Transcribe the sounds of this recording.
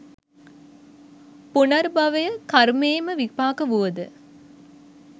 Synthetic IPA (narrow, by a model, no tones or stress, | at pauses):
punɐɾbɐʋəjəkaɾmeːməʋipaːkəʋuʋəd̪ə